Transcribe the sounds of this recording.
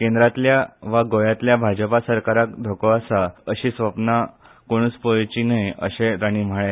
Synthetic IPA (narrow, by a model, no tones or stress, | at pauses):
kẽnd̪ɾat̪ljaʋaɡojat̪ljabʱad͡ʑəpasəɾkaɾakd̪ʱokʋasaəɕiːsʋəpna | koɽ̃ut͡spəjt͡ɕinajə̰ɕeɾaɽ̃im̤əɭe